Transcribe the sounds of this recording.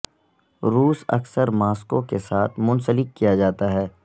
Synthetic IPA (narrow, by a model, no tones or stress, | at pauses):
ɾuːsɐ̰ksəɾmaːskokesaːt̪ʰmʊ̃nsəlɪkːijad͡ʒaːt̪aɦɛː